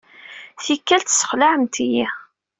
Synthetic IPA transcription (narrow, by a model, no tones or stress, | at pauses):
θikːælt̪sə̥χlaʕəmt̪iji